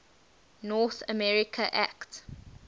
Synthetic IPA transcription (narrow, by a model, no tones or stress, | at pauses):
nɔθəmɛɹɪkʰəʔæ̰kt